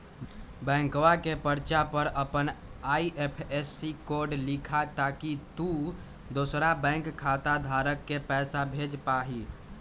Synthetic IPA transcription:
bɛ̃ːŋkʋakepəɾt͡ʃapəɾəpənaːiʔepʰesːikoɾɖlikʰat̪aːkit̪u | d̪osɾabɛ̃ːŋkkʰːat̪ad̪ʱaːɾəkːepɛːsabʱed͡ʒpaɦi

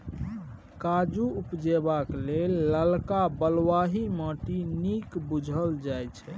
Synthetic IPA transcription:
kad͡ʒuupd͡ʒebaklelːəlkabəlwaɦiməʈinikbud͡ʒʱəld͡ʒajt͡ʃʰɛ

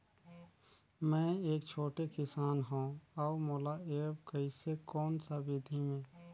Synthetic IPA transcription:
mɛ̃ːeːkt͡ʃʰoːʈekɪsaːnɦõɔːmoːlaeːbkəɪsekɔːnsabɪd̪ʱimẽː

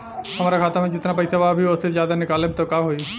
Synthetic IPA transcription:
ɦɐmaːɾakʰaːt̪amẽd͡ʒɪt̪napɐɪsabaːbʱiʊsezjaːd̪anɪkaːlebt̪okaːɦoi

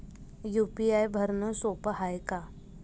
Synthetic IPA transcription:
juːpiaːjbʱəɾnosoːpəɦaːjka

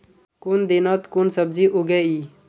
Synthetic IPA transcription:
kund̪inat̪kunsəb̚ziʔuɡeiː

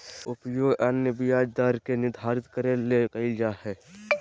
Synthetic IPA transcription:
ʊpjoːɡɐnjəbɪjaːd͡ʒd̪aːɾkenɪd̪ʱaːɾɪt̪kəɾelekəɪld͡ʒaːɦɛː

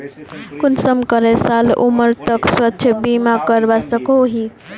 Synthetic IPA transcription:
kunsəmkəɾesalṵməɾt̪əkswətːʃʰəbimakəɾbasəkoɦi

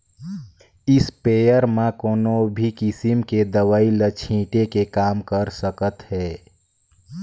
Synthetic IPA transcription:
ɪspeːjəɾmãkoːnobʱikɪsɪmked̪əʋaːilət͡ʃʰĩːʈekekaːmkəɾsəkət̪ɦɛː

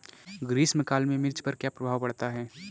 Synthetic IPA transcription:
ɡɾiːsmɪkaːlmẽmɪɾt͡ʃpɐɾkjapɾɐbʱaːʋbɐɽ̤t̪aɦɛː

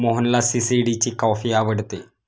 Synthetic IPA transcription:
moɦənlasisiɖit͡ɕikɔfiaʋəɽt̪e

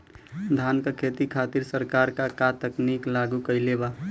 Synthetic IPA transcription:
d̪ʱankəkʰet̪ikʰat̪iɾsəɾkaɾkakat̪əkniklaɡukəjleba

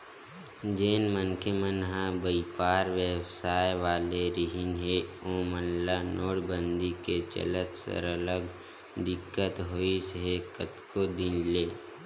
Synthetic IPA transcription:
d͡ʒeːnmənkʰemənɦãbəipaːɾʋewsaːjʋaːleɾiɦɪnɦeoːmənlanoːɽbə̃nd̪iket͡ʃə̰lət̪sə̰ɾələɡ | d̪ɪkːət̪ɦoisɦekət̪kod̪ɪnleː

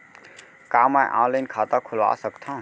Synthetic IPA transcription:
kaːmãʔã̰ləjnkʰaːt̪akʰʊlʋa̰ːsəkt̪ʰã

